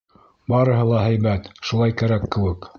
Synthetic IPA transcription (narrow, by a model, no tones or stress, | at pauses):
bɑɾɤ̆ɦɤlˠɑɦæjbæt̪ʃulˠɑjkæɾækːɘ̆wɘk